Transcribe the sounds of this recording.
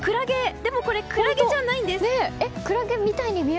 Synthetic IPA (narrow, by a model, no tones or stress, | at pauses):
kɯ̟ɾaɡe̞d̪e̞mo̞ko̞ɾe̞kɯɾaɡed͡ʑanaĩnd̪esneekɯ̟ɾaɡe̞mʲit̪aiɲ̟imʲi